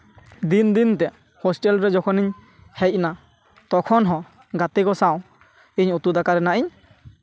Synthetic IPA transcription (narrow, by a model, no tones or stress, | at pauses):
d̪ind̪int̪ɛ | hɔsʈɛlɾɛd͡ʒɔkʰɔniɲ | hɛjc̚na | t̪ɔkʰɔnɦɔ̃ | ɡat̪iɡɔsaw̃ | iɲut̪ud̪akaɾɛnaʔiɲ